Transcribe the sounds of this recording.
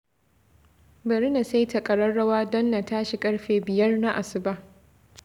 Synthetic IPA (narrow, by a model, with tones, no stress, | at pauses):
bɐ˨ɾɪ˦na˨sa˦jta˨kʼɐ˨ɽɐ˦rːɐ˦waː˦dɔ˦nːa˨taː˦ʃi˨kʼɐ˦ɽɸeː˨bɪ˨jɐ˦rna˦ʔa˨sʊ˨ba˦ʔ